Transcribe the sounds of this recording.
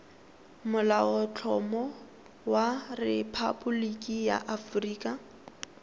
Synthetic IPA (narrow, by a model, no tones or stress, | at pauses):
mʊlaɔt͡ɬʰɔmɔ | warepʰa̰bʊlikʼija̰ʔafriːkʼa